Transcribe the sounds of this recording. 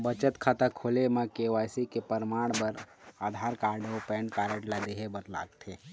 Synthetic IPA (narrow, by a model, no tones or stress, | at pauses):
bət͡ʃət̪kʰaːt̪akʰoːlemẽkeʋaːjsikepəɾmaːɽ̃bəɾ | aːd̪ʱaːɾkaːɾɖopɛːnkaːɾeʈlad̪eɦebəɾla̰ːɡ̚t̪ʰe